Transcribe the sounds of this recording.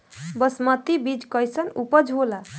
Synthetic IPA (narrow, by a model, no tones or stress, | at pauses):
bəsmət̪ibid͡ʒkʌjsənupəd͡ʒʱola